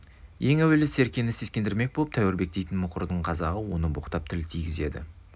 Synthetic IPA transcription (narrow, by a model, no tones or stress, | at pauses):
je̞ŋæwe̞lɪse̞ɾkʲe̞nɪseskʲe̞nd̪ɪɾme̞k̚bolˠəp̚t̪ʰæwɪɾbe̞k̚t̪e̞jt̪ɪnmʊqəɾd̪əɴqʰɑzɑʁəwo̞nəboqt̪ɑp̚t̪ʰɪlt̪ʰijɡʲɪze̞d̪ɪ̰